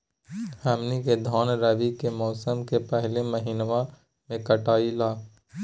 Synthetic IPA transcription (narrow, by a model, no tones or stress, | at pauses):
həmniked̪ʱɔːnɾəʋikemɔːsəmkepɛɦleməɦiːnʋã | mẽkɐʈaːilaː